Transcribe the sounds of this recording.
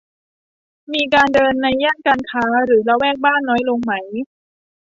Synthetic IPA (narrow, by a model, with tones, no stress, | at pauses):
miː˧kaː˧ndɤː˧nːa˧jːaː˥˩ŋkaː˧nkʰaː˦˥ɾɯː˩˦la˧wɛː˥˩k̚baː˥˩nːɔː˦˥jlo˧ŋma˦˥j